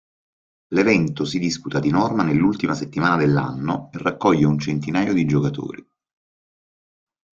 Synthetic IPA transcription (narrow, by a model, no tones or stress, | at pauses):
levɛnt̪osid̪isput̪ad̪inɔrmanelːult̪imaset̪ːimaːnad̪elːa̰nːoerːakːɔʎːeunt͡ʃent̪inaːjod̪id͡ʒokat̪o̰ːɾi